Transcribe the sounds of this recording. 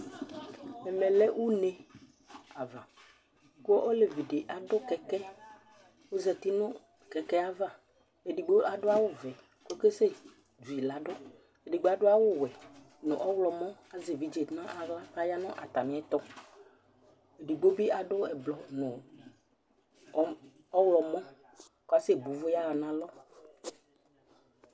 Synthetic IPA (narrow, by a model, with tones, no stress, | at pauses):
ɛ˨mɛ̃˨lɛ˦wu˦nẽ˨ | a˨vã˨ | ko˦ʔo˦le˨vi˨ɖe˨ʔa˨ɖʊ˦kɛ˨kɛ˦ | wo˦zɛ˨t̪i˦nʊ̃˦ | kɛ˨kɛ˦a˦va˦ | e˨ɖi˨ɡ͡bo˦a˨ɖʊ˦a˦wʊ˦vɛ˨ | ko˦ke˦se˦ | d͡ʒu˨i˨la˨ɖʊ˦ | e˨di˨ɡ͡bo˦a˨ɖʊ˦a˦wʊ˦wɛ˨ | nʊ̰̃˨ʔɔ˦wlɔ˨mɔ̃˦a˨ze˨vi˨d͡ʒe˨˦nã˦ʔa˨ɣla˦pa˦ja˦nɔ̃˦ʔa˨t̪a˨mɪ̃˨˦ɛ˦t̪ɔ˦ | e˨di˨ɡ͡bo˦bi˦a˨ɖʊ˦ɛ˨blɔ˨nʊ̃˨˦ | ɔ˦wlɔ˨mɔ̃˦ | ka˦se˦˨bu˨vʊ˦ja˦a˨nã˨lɔ˦